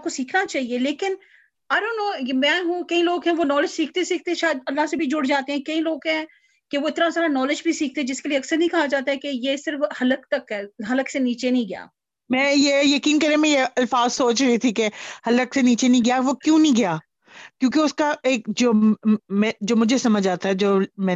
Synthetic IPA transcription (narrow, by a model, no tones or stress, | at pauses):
kosiːkʰnat͡ʃaːɦieleːkɪn | ɐɾʊnõmɛ̃ːɦũːkɐĩloːɡɦɛ̃ʋonɔːlɪd͡ʒsiːk̚ʰt̪esiːk̚ʰt̪eɛ̃ʃaːəd̪ɐlːasebʱid͡ʒʊɽd͡ʒaːt̪eɦɛ̃ːkɐĩloːɡɦɛ̃ː | keʋoɪt̪nasaːɾanɔːlɪd͡ʒbʱisiːk̚ʰt̪eɛ̃d͡ʒɪskelieɐksəɾnĩkɐɦad͡ʒaːt̪aɦɛ̃kejeːsɪɾəfhɐləkt̪ɐkɛɦɐləkseniːt͡ʃenɐĩɡɐja̰ː | mɛ̃ːjeːjɐkiːnkɐɾemɛ̃jeɐlfaːzsoːt͡ʃɾɐɦit̪ʰikehɐləkseniːt͡ʃenə̃ĩɡɐjaʋokjũːnɦĩɡɐjaː | kjõːkeʊskaeːkd͡ʒoːmɛ̃ːd͡ʒoːmʊd͡ʒʱesɐməd͡ʒaːt̪aɦɛd͡ʒoːmɛ̃ː